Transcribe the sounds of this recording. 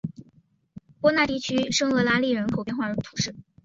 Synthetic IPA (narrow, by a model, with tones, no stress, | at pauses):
pwɔ˥na˥˧t̪i˥˩t͡ɕʰy˥ʂɤ˥ŋɤ˧˥la˥li˥˩ɻə˧˥nkʰo˨˩ʊpjɛ˥˧nxwa˥˩ə˧˥˩t̪ʰu̥˨˩ʂɻ̩˥˩